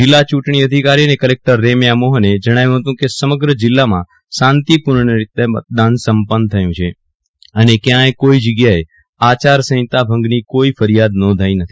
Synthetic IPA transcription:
d͡ʒɪlːat͡ʃuʈɳ̃iəd̪ʱikaɾiənekəlek̚ʈəɾːemjamoɦəned͡ʒəɽ̃ajũɦət̪ũkesəməɡɾəd͡ʒɪlːamã̰ | sãnt̪ipuɾɳəɾit̪emə̰t̪̚d̪ansəmpənt̪ʰəjũt͡ʃʰe | ənekjãekoid͡ʒəɡjae | at͡ʃaɾsə̃ɦɪ̃t̪abʱə̃ŋɡnikoifəɾijad̪̚nɔ̃nd̪ʱaĩnət̪ʰi̥

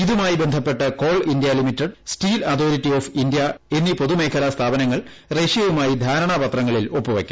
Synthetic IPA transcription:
iðumaːjibe̞nd̪ʱɐpːe̞ʈːɐko̞ːɭind̪jɐlimitːɐɖstiːlɐt̪ʰoːɾitːio̞ːfind̪ijɐe̞nːipo̞ðume̞ːkʰɐlɐst̪ʰaːbɐnɐŋːɐɭ | re̞ːʂijɐʋumaːjid̪ʱaːɾɐɳɐbɐt̪rɐŋːɐɭilo̞pːuʋɐ̰kʲːu̥

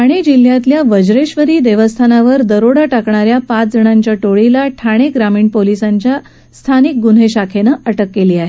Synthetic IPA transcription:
aɽ̃ed͡ʑil̤ːjat̪ljaʋəd͡ʑɾeɕʋəɾiːd̪eʋəst̪ʰanaʋəɾd̪əɾoɽaʈakɳaɾjapat͡sd͡zəɳ̃aɲt͡ɕjaʈoɭilaʈʰaɽ̃eɡɾamiːɳpolisaɲt͡ɕja | st̪ʰanik̚ɡun̤ɦeɕakʰenəʔəʈəkːeliːaɦe

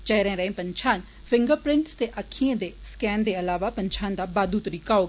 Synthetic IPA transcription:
t͡ʃɛːɾɛ̃ːɾəẽːpəɲt͡ʃʰaːn | pʰɪŋɡəɾpɾɪ̃ɳʈst̪eːʔəkʰːiẽːd̪eːskɛːnd̪eːəlaːʋaːpəɲt͡ʃʰaːnd̪aːbaːd̪uːt̪ɾiːkaːoːɡ

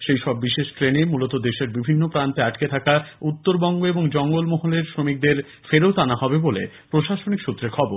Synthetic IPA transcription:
ʃejʃɔbːiʃeʃʈɾenemulot̪od̪eʃeɾbibʱinːopɾant̪eaʈket̪ʰakaut̪ːoɾbɔŋɡoeboŋd͡ʑɔŋɡolmɔɦoleɾsɾomik̚d̪eɾ | feɾeot̪anaɦɔbebolḛ | pɾoʃaʃonikʃut̪ːɾeɾkʰɔboɾ

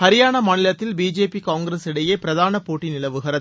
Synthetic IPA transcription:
hɐɾɪjaːɳɐmɐnɪlɐt̪ːɪlbiːd͡ʒeːpikaːŋɡɾɐsɪɽɐjeːpɪɾɐðaːnɐpoːʈːinɪlɐʋɯɣɐɾɐð

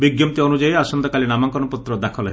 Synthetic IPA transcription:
biɡjɔmt̪iɔnud͡ʒajasɔnd̪ɔkalinamaŋkɔnɔput̪ɾɔd̪akʰɔlɔɦ

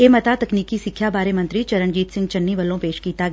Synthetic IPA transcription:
emɐt̪at̪ɐkniːkisɪkʰjabaːɾemɐ̃nt̪ɾit͡ʃɐɾəɳd͡ʒiːt̪sɪ̃ŋɡt͡ʃɐnːiʋɐlõpeːʃkiːt̪aɡ

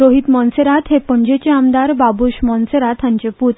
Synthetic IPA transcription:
ɾoɦit̪mɔnseɾat̪ɦepəɳd͡ʑet͡ɕeamd̪aɾbabuɕmɔnseɾat̪ãɲt͡ɕeput̪

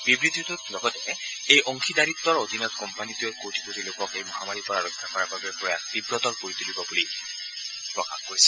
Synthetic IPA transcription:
b̥ibɹit̪ːit̪utlɔɡɔtɛ | ejʔɔŋxidaɹit̪ːɔɹod̪ʱinɔtkɔmpanitujɛkowtʰi̥potilokɔkejmɔɦamaɹipɔaɹɔkʰːakɔɹababɛpɹɔjaxt̪ibɹɔtɔɹkoɹit̪ulibɔbuli | pɹɔka̰xkoɹisɛ̥

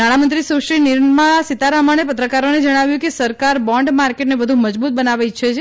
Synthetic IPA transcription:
naɽ̃amənt̪ɾisoʃɾiniɾnmãsit̪aɾamañepət̪ɾəkaɾoned͡ʒəɽ̃aʋjũkesəɾkaɾbɔ̃ɳɖmaɾkeʈnebəd̪ʱũməd͡ʒbut̪̚bənaʋajt͡ʃʰet͡ʃʰ

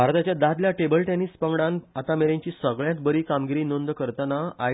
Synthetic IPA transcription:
bʱaɾt̪at͡ɕjad̪ad̪ljaʈebəlʈenispəŋɡɽanat̪ameɾãɲt͡ɕiːsəɡɭjãt̪bəɾiːkamɡiɾiːnond̪kəɾt̪anaa

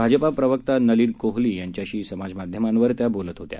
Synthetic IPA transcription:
bʱad͡zəpapɾəʋəkt̪anəliːnkoɦliːjaɲt͡ɕjaɕiːsəmad͡zmad̪ʱjəmãnʋəɾt̪jabolət̪ɦot̪ja̰

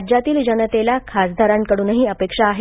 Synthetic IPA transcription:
d͡ʑat̪iːld͡ʑənət̪elakʰasd̪ʱaɾaŋkəɽuːnɦiːəpekʂaːɦe

